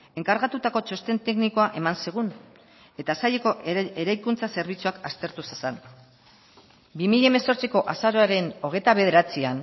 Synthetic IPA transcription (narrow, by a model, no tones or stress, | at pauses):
e̞ŋkaɾɣat̪ut̪ako̞t͡ʃo̞st̪e̞nt̪e̞kniko̞aʔe̞manseɣ̞un | e̞t̪asajeko̞ʔe̞ɾajkunt͡sase̞ɾβit͡suakast̪e̞ɾt̪usesan | bimiʎaeme̞so̞ɾt͡siko̞ʔasaɾoaɾe̞no̞ɣ̞et̪aβe̞ð̞e̞ɾat͡sian